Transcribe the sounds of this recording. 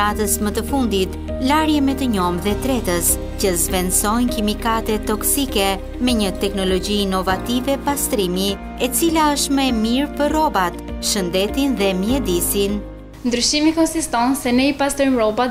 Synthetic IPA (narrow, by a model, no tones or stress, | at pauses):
at̪əsmət̪əfund̪it̪ | laɾjɛmɛt̪əɲɔmðɛt̪ɾɛt̪əs | cəzvɛnsɔjnkimikat̪ɛt̪ɔksikɛ | mɛɲət̪ɛknɔlɔɟiːnɔvat̪ivɛpast̪ɾimi | ɛt͡silaəʃt̪məɛmiɾpərɔbat̪ʃənd̪ɛt̪inðɛmjɛd̪isin | nd̪ɾyʃimikɔnsist̪ɔnsɛnɛipast̪ɾɔjmɾɔba